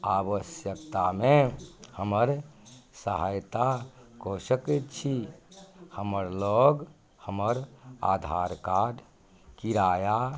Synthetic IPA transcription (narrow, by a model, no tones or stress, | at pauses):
abəsjəkt̪amehəməɾsəɦajt̪akosəkət̪t͡ʃʰi | həməɾloɡ | həməɾa̰d̪ʱaɾkaɾ | kiɾaːja